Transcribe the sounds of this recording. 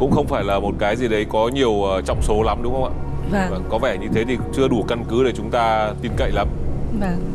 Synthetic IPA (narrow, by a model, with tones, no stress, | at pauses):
kʊ̰˧˥ŋ͡mxə˧wŋ͡mfaː˧˩jlaː˨˩mo˨˩t̚kaː˨˦jzi˨˩ɗə˨˦jkɔ˨˦ɲi˨˩əwʔəː˨˩t͡ɕɔ̰˧˨wŋ͡mso˨˦la˨˦mɗʊ˨˦ŋ͡mxə˧wŋ͡mʔa̰ː˧˨˩aː˨˩vaː˨˩ŋkɔ˨˦vɛ˧˩ɲɨ˧t̪ʰe˨˦t̪ʰi˨˩t͡ɕɨ˧əɗu˧˩ka˧nkɨ˨˦ɗe˧˩t͡ɕʊ˨˦ŋ͡mt̪aː˧t̪i˧mkə̰˧˨jla˨˦mvaː˨˩